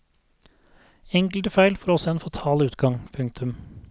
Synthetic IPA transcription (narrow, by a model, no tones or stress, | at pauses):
ɛŋkləɾəfæɪlfɔɾɔsɔɛːnfɑt̪ʰɑːlʉːt̪ɡɑŋpʰʉŋk̚t̪ʰʉm